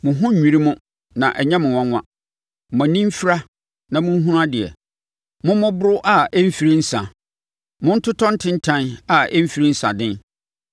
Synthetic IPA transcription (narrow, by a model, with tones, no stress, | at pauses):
mʊ̃˨ɦʊ̃˦˨ĩ˨ɾi˦mʊ̃˦ | nã˨ʔɛ˨ɲɛ̃˦mʊ̃˨wã˦ŋʷã̰˦˨ | mã˨nĩ˦m˦fi˦ɾa˦ | nã˨mʊ̃˦n˦ɦũ˦ɾa˦dɪ˨ɛ̰˨ | mʊ̃˦mʊ̃˦bʊ˦ɾʊ˦ʔa˦ɛ˦m̩˦fi˨ɾi˦n̩˦sã̰˨ | mʊ̃˦n̩˦tʰʊ˦tʰɔ̃˦n̩˦tʰɪ̃˦n̩˦tʰã˦na˨ɛ˦m̩˦fi˦ɾĩ˦n̩˦sa̰˨dɪ̃˦n